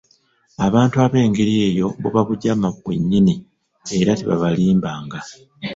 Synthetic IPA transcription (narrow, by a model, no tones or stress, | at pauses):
aβaːntuaβe̞ːŋɡeɾie̞ːjo̞βbṵβaβuɟamakwḛɲːini | e̞ɾatiβa̰βaliːmbaːŋɡa